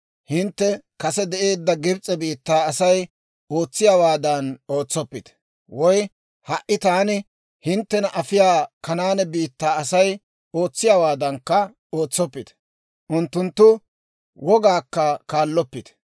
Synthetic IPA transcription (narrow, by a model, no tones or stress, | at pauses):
hɪnt̪ːɛkɐsɛd̪ɛʔe̞ːd̪ːɐɡɪbt͡sʼɛbiːt̪ːaːɐsɐj | oːt͡sːɪjaːwaːd̪ɐno̞ːt͡sːɔpːɪt̪ | wɔj | hɐʔɪt̪aːnɪ | hɪnt̪ːɛnɐʔɐfɪjaːkɐnaːnɛbiːt̪ːaːɐsɐj | o̞ːt͡sːɪjawaːd̪ɐŋkːɐ | o̞ːt͡sːɔpːɪt̪ | ʔʊnt̪ːʊnt̪ːʊ | wɔɡaːkːɐkaːlːɔpːɪt̪